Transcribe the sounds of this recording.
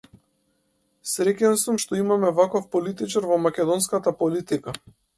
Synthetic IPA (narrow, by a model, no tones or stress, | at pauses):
sɾɛcɛnsumʃt̪ɔimamɛvakɔfpɔlit̪it͡ʃaɾvɔmakʲɛd̪ɔnskat̪apɔlit̪ika